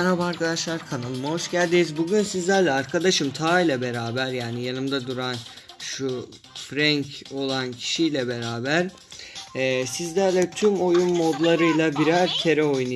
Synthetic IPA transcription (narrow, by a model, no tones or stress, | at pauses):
nhabaɾkʰad̪aʃlˠaɾkʰanalˠɯmɦo̞ʃɟælʲd̪iːizbuɟynsizlʲæɾlʲɛaɾkʰad̪aʃɯmt̪ʰaːjlʲˠabe̞ɾaːbæɾjaːnijanɯmd̪ad̪uɾan | ʃu | fɾæɲco̞lˠancʰi̥ʃijlʲɛbe̞ɾaːbæɾ̥ | ɛsizlʲæɾlʲɛt̪ʰymo̞junmo̞d̪lˠaɾɯjlˠabiɾæɾt̪ʰe̞ɾɛo̞jnu